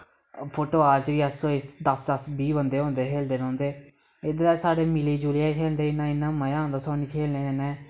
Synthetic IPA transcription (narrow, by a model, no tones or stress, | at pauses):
pʰoːʈoːaːɾt͡ʃʋiːəsːõːɪsd̪əsd̪əsbiːbənd̪eːɦõːnd̪eːkʰeːld̪eːnɔ̃ːnd̪eː | ɪd̪ɾaːsaːɽeːmɪliːd͡ʒuːlijaːkʰeːlnd̪eːɪnːãːɪnːãːməjãːɦõnd̪aːsɔːniːkʰeːlnẽːd̪eːnɛ̃ː